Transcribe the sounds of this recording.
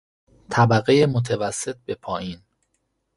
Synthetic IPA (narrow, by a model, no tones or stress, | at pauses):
t̪ʰæbæɣe̞jemot̪ʰevæsːe̞t̪̚be̞pʰɒːjiːn